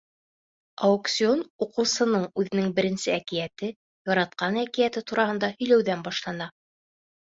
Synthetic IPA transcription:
ɐoksʲio̞nuqɤ̆wsɤ̆nɤɴʉðɘ̆nɘŋbɘ̆ɾɘ̆nsɘækijæt̪ɘ | jɒɾɑt̪̚qɑnækijæt̪ɘt̪uɾɑhɤ̆nd̪ɑhɵ̆jlæwðænbɑʃlˠɑnɑ

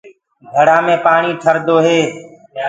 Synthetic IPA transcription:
d̪ʱəɽaːmẽːpaːɳiːʈʰəɾd̪oːɦeː

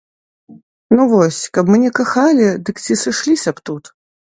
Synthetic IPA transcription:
nuvɔsʲkɐpmɨnʲɛkaxalʲid̪ɨkt͡sʲisɨʂlʲisʲɐpt̪ut̪

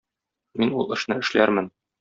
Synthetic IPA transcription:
minulˠɤ̆ʃnɤɘ̆ʃlæɾmɘn

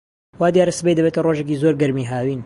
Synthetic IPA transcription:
waːd̪ijaːɾɐsɨbejd̪ɐbeːt̪ɐroʒekiːzoɾɡɐɾmiːɦaːwiːn

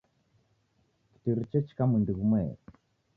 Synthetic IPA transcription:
kə̥tiɾt͡ʃet͡ʃkaməndəɣme

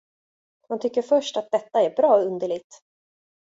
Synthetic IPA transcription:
hant̪ʰʏkːəɾfœʂʈat̪̚d̪ɛt̪ːaɛɾbɾɑːɔɵnd̪əɭɪɡ̚t̪

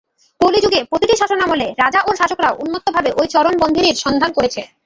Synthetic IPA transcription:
kolid͡ʑuɡepɾot̪iʈiʃaʃonamoleɾad͡ʑaʔoɾʃaʃokɾaoʔunːot̪ːobʱabeʔojt͡ɕɔɾonbond̪ʱiniɾʃɔnd̪ʱankoɾet͡ɕʰe

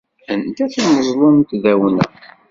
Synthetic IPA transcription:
ənd̪æθiməzˤlˤont̪ðæwənə̰

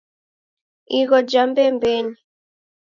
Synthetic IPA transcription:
iɣɔd͡ʒambɛmbɛɲi

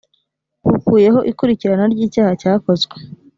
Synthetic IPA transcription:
ukuːje̞ɦo̞ʔikuɾiciɾanaɾɟiːcaːhacaːko̞zɡwe̥

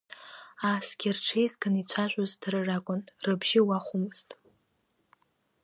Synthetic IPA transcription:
asɡʲɪrʈ͡ʂʰejzɡɨnit͡ɕʷʰaʒʷʼozdrɨrakʷʼʊnrɨbʒɪwaχʷʊmɨz̥tʼ

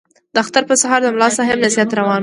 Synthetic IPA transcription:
d̪̥əaxt̪aɾpəsaɦɑɾd̪əmlɑst̪aɦamnasijat̪ɾawɑn

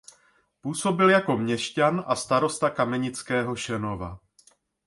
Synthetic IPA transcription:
puːso̞bɪljako̞mɲɛʃcanʔast̪aɾo̞st̪akamɛɲɪt͡skɛːɦo̞ʃɛno̞va̰

